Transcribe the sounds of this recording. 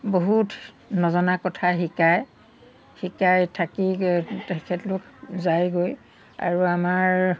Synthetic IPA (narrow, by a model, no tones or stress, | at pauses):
boɦut | nɔzɔnakɔtʰaɦikaj | hikajtʰakitɛkʰɛtlʊkzajɡoj | a̰ɹuamaɹ